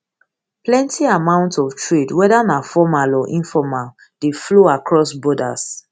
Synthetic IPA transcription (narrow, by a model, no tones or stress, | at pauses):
plɛ̃ntʰiamãʊ̃ntɔftɹedwɛdanafɔmalɔʔĩnfɔmal | defloakɹɔsbɔda̰s